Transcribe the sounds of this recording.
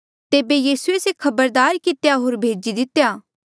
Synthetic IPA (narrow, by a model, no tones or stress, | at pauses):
t̪eːbejiːsuesekʰɐbəɾd̪aːɾkɪt̪jaɦoːɾbʱeːd͡ʒid̪ɪt̪jaː